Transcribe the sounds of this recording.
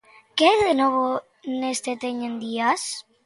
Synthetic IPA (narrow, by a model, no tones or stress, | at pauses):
keðenoβo | nest̪et̪eɲẽnd̪ias